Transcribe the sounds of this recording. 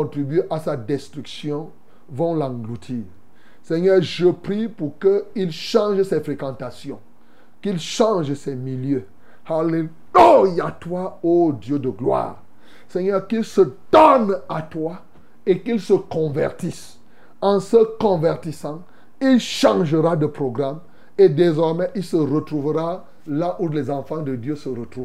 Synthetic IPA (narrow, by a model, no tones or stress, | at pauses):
ɔ̃t̪ʁibyeʔasad̪ɛst̪ʁyksjɔ̃ | vɔ̃lãɡlut̪ʰiːʁ | sɛɲœːʁʒəpʁipuʁkəilʃɑ̃ʒsɛfʁekɑ̃t̪asjɔ̃ | kilʃɑ̃ʒsɛmiljø | hale | ujat̪waod̪jød̪əɡlwa̰ːʁ | sɛɲœʁkilsəd̪̥ɔnat̪wa | ekilsəkɔ̃vɛ̰ʁt̪is | ɑ̃səkɔ̃vɛʁt̪isɑ̃ | ilʃɑ̃ʒəʁad̪əpʁoɡʁam | ed̪ezɔʁmɛʔilsəʁət̪ʁuvəʁa | laʔulɛzɑ̃fɑ̃d̪əd̪jøsəʁət̪ʁuv